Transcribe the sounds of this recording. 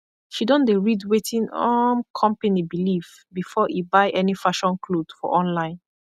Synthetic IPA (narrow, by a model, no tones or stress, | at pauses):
ʃidɔ̃ndeɹidwetʰĩnɔmkʰɔ̃mpanibilif | bifɔʔibaɪʔɛnifaʃɔ̃nkʰlod̥fɔ̰ʔɔ̃nlãɪ̃n